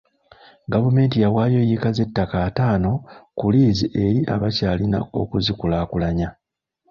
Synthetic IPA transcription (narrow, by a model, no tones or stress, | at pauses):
ɡavume̞ːntijawaːjo̞jikaze̞tːakaːtaːno̞kuliːziʔe̞ɾiʔa̰βacaːlina̰o̞̰kuzikulaːkulaɲa